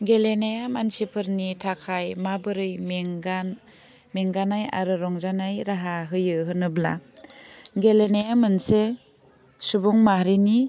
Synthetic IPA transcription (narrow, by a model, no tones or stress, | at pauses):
ɡelenajamansipʰɯɾnitʰakʰajmabɯɾɯjmeŋɡan | meŋɡanaja̰ɾɯɾɔŋzanajɾaɦaɦɯjɯɦɯnɯbla̰ | ɡelenajamɯnse | subɔŋmaɾini